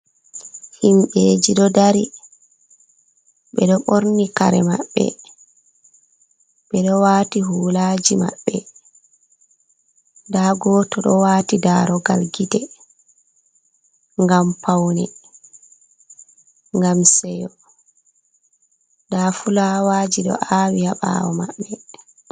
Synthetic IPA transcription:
himɓed͡ʒiɗɔdaɾi | ɓɛɗɔɓoɾnikaɾɛma̰ɓːɛ̰ | ɓɛɗɔwaːtiɦuːlaːd͡ʒima̰ɓːɛ | daːɡɔːtɔɗɔwaːtidaɾɔɡa̰lɡitɛ | ŋɡampawnɛ | ŋɡamsɛjɔ | daːfulawaːd͡ʒiɗɔ̰ʔawihaɓa̰wɔmaɓːɛ

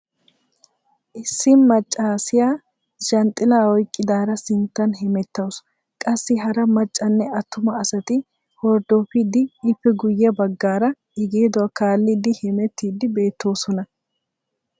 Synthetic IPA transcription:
ʔɪsːɪnmɐt͡ʃʼːaːsɪjaː | ʃɐnt̪ʼːɪlaːwɔjkʼːɪd̪aːɾɐsɪnt̪ːɐnɦɛmɛt̪ːɐws | kʼɐsːɪɦɐɾɐmɐt͡ʃʼːɐnːɛɐt̪ːʊmɐːsɐt̪ɪ | hɔɾd̪oːfɪd̪ɪɪfːɛɡʊjːɛbɐɡːaːɾɐ | ɪɡeːd̪ɔwɐkaːlːɪd̪ɪhɛmɛt̪ːiːd̪ɪbe̞ːt̪ːo̞ːsɔnɐ

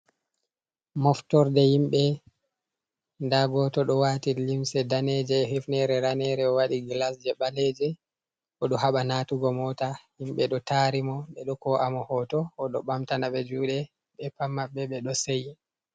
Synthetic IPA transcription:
mɔftɔɾdɛhimɓɛ | ndaɡɔtɔɗɔwatilimsɛdaned͡ʒɛɦefnɛɾɛɾanɛɾɛɔwaɗiɡlasd͡ʒɛɓaled͡ʒɛ | ʔɔɗɔhaɓanaːtuɡɔmɔtahimɓɛɗɔtaɾimɔɓɛɗɔkɔʔamɔhɔtɔːɗɔɓamtanaɓɛd͡ʒuːɗɛ | ɓɛpamːabːɛɓɛɗɔseji

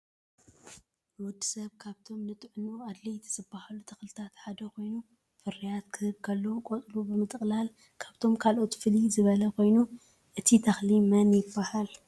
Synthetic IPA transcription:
wʊd̪ːisɐβkʰaβt̪ʰo̞mnɨt̪ʼʕnuad̪lɐjt̪ʰizɨbːahalut̪ʰɐxlɨt̪ʰat̪ħad̪ɐkʰo̞jnu | fɨɾijat̪kʰɨhɨβkʰɐlːokʼot͡sʼlubɨmɨt̪ʼɨkʼlal | kʰaβt̪ʰo̞mkʰalʔo̞t̪fɨlizɨβɐlɐkʰo̞jnu | ʔɨt̪ʰit̪ʰɐxlimɐnjɪbːahal

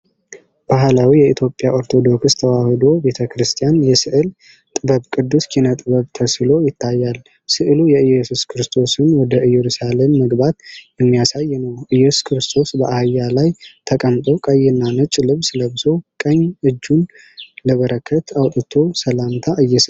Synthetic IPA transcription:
b̥aɦlawijɛit̪ʰjo̞pʼjaʔo̞ɾt̪ʰod̪o̞ksst̪ʰəwahɨd̪o̞be̞t̪ʰəkɾɨst̪ʰijanjɛsɨʔɨl | t̪ʼɨbəβkʼɨd̪ːuskʰinət̪ʼɨβəβt̪ʰəslo̞jɪt̪ʰːajːal | sɨʔɨlujɛɨjːɛsuskʰɨɾɨst̪ʰo̞sɨnwɔd̪əɨjɛɾusale̞mːəɡbat̪jɛmːijasajːnəwʔɨjːɛsu̥skʰɨɾɨst̪ʰo̞sbəʔahjːalajt̪ʰəkʼəmt̪ʼo̞kʼəjɛnːanɨt͡ʃʼlɨβsləβso̞kʼəɲɨd͡ʒːun | ləβəɾəkʰːət̪ʰawt̪ʼɨt̪ʰo̞səlamt̪ʰaʔɨjːɛs

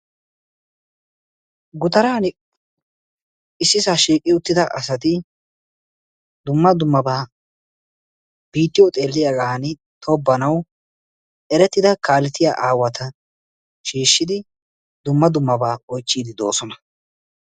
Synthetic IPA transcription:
ɡʊt̪ɐɾaːn | ɪsːɪsaʃiːkʼɪʊt̪ːɪd̪ɐʔɐsɐt̪ɪ | d̪ʊmːɐd̪ʊmːɐbaː | b̥iːt̪ːɪjɔt̪ʼe̞ːlːɪjaːɡaːnɪ | t̪ʰɔbːɐnɐw | ɛɾɛt̪ːɪd̪ɐkaːlːɛt̪ɪja̰ːʔaːwɐt̪ɐ | ʃiːʃːɪd̪ɪ | d̪ʊmːɐd̪ʊmːɐbaːɔjt͡ʃːiːd̪ɪd̪oːsɔnɐ

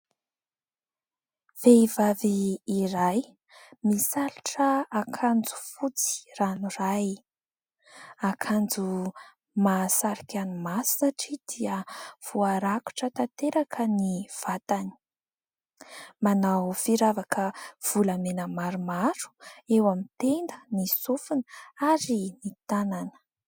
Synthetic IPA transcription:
v̥eivaviːɾaj | misaluʈ͡ʂəakʰand͡zu̥fut͡si̥ranuraj | akʰand͡zu | masaɾikʲanimassaʈ͡ʂid̪iəv̥uaɾaku̥ʈ͡ʂət̪at̪eɾakʰəniv̥at̪ani̥ | manawfiɾavakʰəv̥ulamenəmaɾumaɾu̥ewamit̪end̪ənisufunəaɾinit̪ananə̥

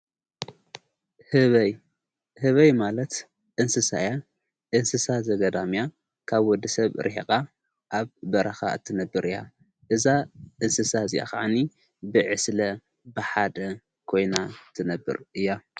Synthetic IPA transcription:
hɨβɐj | hɨβɐjmalɐt̪ | ʔɨnsɨsa̰ja | ʔɨnsɨsazɐɡɐd̪amja | kʰaβwɔd̪ɨsɐβɾʔiħikʼa | ʔaβbɐɾʔɐxa̰ɨ̰t̪ʰːɨnɐbːɨɾʔɨja̰ | ʔɨzaʔɨnsɨsazija̰ka̰ʕani | bɨʕɨslɐ | bɨħad̪ɐ | kʰo̞jnat̪ʰɨnɐbːɨ̰ɾʔɨjːa

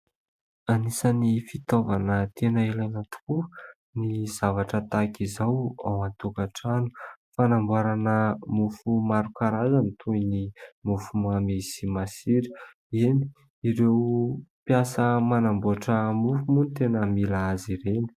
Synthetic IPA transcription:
anisənifit̪ovanət̪enailanat̪u̥ku | niz̥avaʈ͡ʂət̪akizawa̰want̪ukaʈ͡ʂanu̥fanambwaɾanəmufumaɾukaɾazanit̪ʰujnimufumamesimasiɾi̥ | eni̥ | iɾewpjasəmanambuaʈ͡ʂəmufumunit̪enəmilaaziɾeni̥

